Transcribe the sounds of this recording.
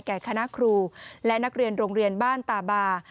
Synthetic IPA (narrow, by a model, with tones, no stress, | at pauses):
jkɛː˨˩kʰa˧na˦˥kʰɾuː˧lɛ˦˥na˦˥k̚ɾi˧ənɾoː˧ŋɾi˧ənbaː˥˩nt̪aː˨˩baː˧